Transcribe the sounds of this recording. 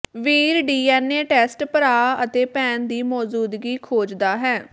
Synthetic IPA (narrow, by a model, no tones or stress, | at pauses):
ʋiːɾɖiːɛːneːʈɛːsʈpəɾaːət̪eːpɛ̃ːnd̪iːmɔːzuːd̪ɡiːkʰoːd͡ʒd̪aːɦɛː